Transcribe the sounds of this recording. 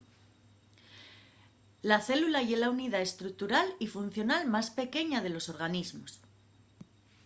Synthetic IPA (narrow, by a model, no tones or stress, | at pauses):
laθe̞lulaʝe̞launiðae̞st̪ɾuk̚t̪uɾalifun̟θjo̞nalmaspe̞ke̞ɲaðe̞lo̞so̞ɾɣ̞anizmo̞s